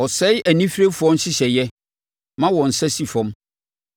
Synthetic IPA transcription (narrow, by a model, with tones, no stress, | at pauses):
ɔ˨sɛ˦ʔæ˨nĩ˦fɾe˦fu˨ɔ̃˦n˦ɕɪ˦ɕɛ˨jɛ˦ | mã˦wɔ̃˨n̩˨sɛ˦si˨fɔ̃˦m